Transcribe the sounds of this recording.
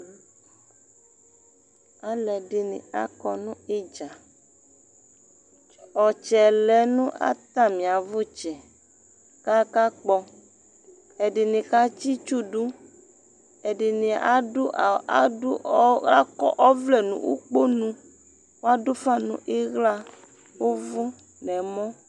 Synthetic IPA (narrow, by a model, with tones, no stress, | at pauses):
a˦lɛ˨dɪ˨nɪ̰̃˨a̰˨kɔ˨nũ˦e˦d͡ʒa˨ | ɔ˨t͡ʃɛ˨lɛ˨nũ˦ʔa̰˦t̪a˦˨mĩ˨a˨vo˦t͡ʃɛ˨ | ka˦ka˦k͡pɔ˦ | ɛ˨dɪ˨nɪ̃˨ka˦t͡ʃi˦t͡ʃu˦du˦ | ɛ˨dɪ˨nɪ̃˨a˦u˦˨˦a˦kɔ̰˦ʔɔ˦vlɛ˨nṵ̃˨ʔṵ˦k͡po˦nũ˦ | wo˦a˦do˦fa˦nṵ̃˨˦ʔe˦ɣla˦ | wo˦vʊ˦ | nɛ̃˨mɔ̃˦